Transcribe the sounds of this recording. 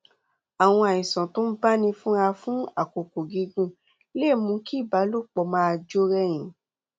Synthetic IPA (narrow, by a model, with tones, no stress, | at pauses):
a˨w̃ɔ̃˧a˨jĩ˨sã˨to˨˦n̩˦ba˦nĩ˧fũ˦a˧fũ˦a˨ko˨ko˨ɡi˨˧˦ɡũ˦ | le˦˨mũ˧˦ki˦˨ba˨˦lo˦k͡pɔ˧mã˦a˧d͡ʒo˦ɾɛ˦j̃ĩ˨